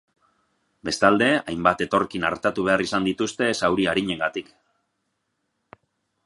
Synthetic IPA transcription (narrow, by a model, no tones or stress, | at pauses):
be̞st̪ald̪e̞ajmbat̪e̞t̪o̞rkina̰ɾt̪at̪uβ̞e̞arisand̪it̪ust̪e̞sawɾiaɾiɲe̞ŋɡat̪ik